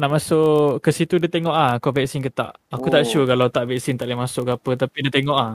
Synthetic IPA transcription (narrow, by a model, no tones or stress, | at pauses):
naʔmasʊʔʔkəsit̪udət̪eŋɔʔlahakovɛksinkət̪a̰ʔakut̪aʔʃukalawt̪aʔvɛk̚sint̪aʔlehmasʊʔɡapət̪apidət̪eŋɔʔlah